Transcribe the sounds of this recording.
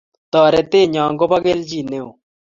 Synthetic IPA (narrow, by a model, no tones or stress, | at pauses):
t̪aːɾet̪eːɲãːŋɡopɐɡeːld͡ʑiːneõ